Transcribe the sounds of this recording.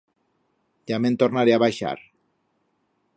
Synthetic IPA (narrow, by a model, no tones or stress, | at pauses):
d̪ament̪oɾnaɾeaβajʃa̰ɾ